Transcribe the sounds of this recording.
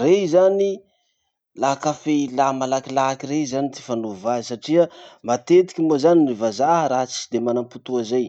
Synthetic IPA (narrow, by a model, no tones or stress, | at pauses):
rezani | lakafeilamalakilakirezanit̪i̥fanuvazisaʈ͡ʂiəmat̪et̪i̥kʲimozaninivazaɦəɾat͡si̥d̪emanamput̪uazaj